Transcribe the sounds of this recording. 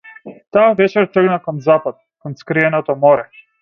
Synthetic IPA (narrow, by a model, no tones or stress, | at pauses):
t̪aːvɛt͡ʃɛɾt̪r̩ɡnakɔnzapat̪̚kɔnskɾiɛnɔt̪ɔmɔɾɛ